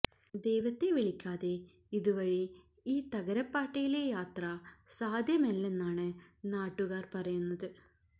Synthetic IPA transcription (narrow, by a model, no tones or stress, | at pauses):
d̪e̞jʋɐt̪ːe̞ʋiɭikʲːaːðe̞ | iðuʋɐɻi | iːt̪ɐɣɐɾɐpːaːʈːɐjilejaːt̪rɐsaːd̪ʱjɐmelːe̞nːaːɳɨnaːʈːuɣaːrpɐrɐjunːɐðɨ